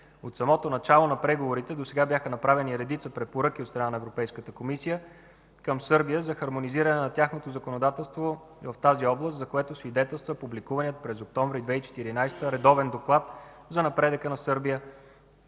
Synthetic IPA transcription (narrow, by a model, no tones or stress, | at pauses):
ot̪sɐmɔt̪onɐt͡ʃalˠonɐpɾɛɡovoɾit̪ɛd̪osɛɡabʲjaxənɐpɾavɛniɾɛd̪it̪səpɾɛpoɾɤk̟iot̪st̪ɾɐnanɐɛvɾopɛjskət̪əkomisijə | kəmsɤɾbijəzɐxɐɾmoniziɾənɛnɐt̪ʲaxnot̪ozɐkonod̪at̪ɛlˠst̪vo | vɐft̪aziɔblˠəst̪zɐkoɛt̪osvid̪ɛt̪ɛlˠst̪vəpublikuvɐnijət̪̚pɾɛzok̚t̪ɔɱvɾid̪vɛit͡ʃɛ̥t̪iɾinajst̪əɾɛd̪ɔvɛnd̪oklˠat̪ | zɐnɐpɾɛd̪əkənɐsɤɾbijə